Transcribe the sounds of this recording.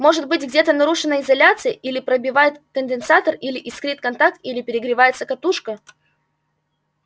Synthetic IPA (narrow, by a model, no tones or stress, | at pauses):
mo̞ʐɨt̪̚bɨtʲɡdʲe̞t̪ənɐɾuʂɨnːəɪzɐlʲat̪sɨjəʔilʲɪpɾəbʲɪvajɪt̪kənʲd̪ʲɪnsat̪ərilʲɪʔɪskɾɨt̪̚kɐnt̪ak̚t̪ilʲɪpʲɪɾʲɪɡɾʲɪvajɪt̪səkɐt̪uʂkə